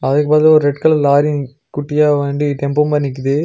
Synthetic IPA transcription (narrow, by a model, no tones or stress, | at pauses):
ɐðɐkːɯpaːt̪ɪlɔɾɯɾɛʈkɐɭlaːɾɪ | kʊʈːɪjaːʋeːɳɖiʈɛmpompɐnːɪk̬ːɯðɯ